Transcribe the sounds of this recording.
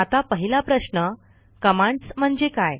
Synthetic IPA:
at̪apəɦilapɾəɕnə | kəmãɳt͡sm̤əɳd͡zekaj

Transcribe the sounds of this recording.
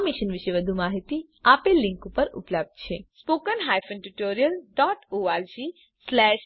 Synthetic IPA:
miʃənʋɪʃeʋəd̪ʱumaɦit̪i | aːpelɪ̃ŋkupəɾʊ̰pləb̚d̪̚t͡ʃʰespoːkənɦajfə̃nʈuʈoːɾijəlɖɔːʈoaɾd͡ʒi | slɛːʃ

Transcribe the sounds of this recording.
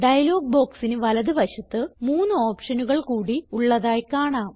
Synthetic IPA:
ɖɐjɐlo̞ːɡ̚bo̞ːksinɨʋɐlɐðɨʋɐɕɐt̪ːɨmuːnːɨo̞ːpʂɐnuɣɐɭkuːɽiuɭːɐðaːjkaːɳaː

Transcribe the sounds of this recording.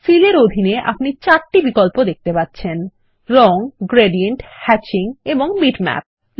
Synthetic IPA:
fileɾod̪ʱineʔa̰pnit͡ɕaɾʈibikolpod̪ek̚ʰt̪epatːɕʰen | ɾɔŋɡɾeɖieɳʈhɛt͡ɕiŋeboŋbiʈmɛ̰p̚

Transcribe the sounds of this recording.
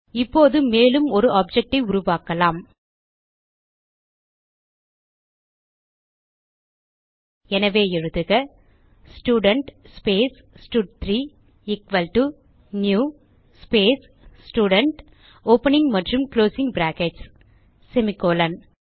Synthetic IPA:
ɪpːoːðɯmeːlɯmɔɾɯʔaːp̚d͡ʒɛk̚ʈɐɪʊɾʊʋaːkɐlaːm | ɛnɐʋeːɛɻɯðɯɣɐ | sʈjuːɽɐɳʈspeːs | sʈuɖ̚t̪ɾiː | ɪkʋɐlʈu | njuː | speːs | sʈuːɽɐɳʈ | oːpɐnɪŋɡmɐʈrɯmkloːsɪ̃ŋɡbɾaːkeɖs | sɛmɪkoːlɐn

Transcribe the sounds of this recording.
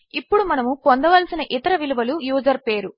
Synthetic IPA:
ipːuɽumɐnɐmupond̪ɐʋɐlsinɐʔit̪ɐɾɐʋiluʋɐlujuːd͡ʒɐɾpe̞ːɾu

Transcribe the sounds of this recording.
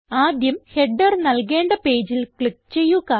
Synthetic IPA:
aːd̪jɐmheɖːɐrnɐlke̞ːɳɖɐpe̞ːd͡ʑilkɭik̚t͡ɕe̞jːuɣa

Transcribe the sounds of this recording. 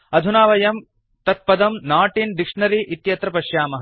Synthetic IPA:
ɐd̪ʱunaːʋɐjɐm | t̪ɐt̪̚pɐd̪ɐmnaːʈind̪ikʂɳɐɾiːʔit̪jɐt̪ɾɐpɐʃjaːmɐɦ

